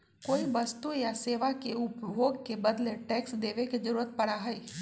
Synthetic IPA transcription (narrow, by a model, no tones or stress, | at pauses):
koːibɐst̪ujaseːʋakeʊpjoːɡkebɐd̪leʈɛːksd̪eːʋekezɐɾuːɾət̪̚pɐɽaɦɛiː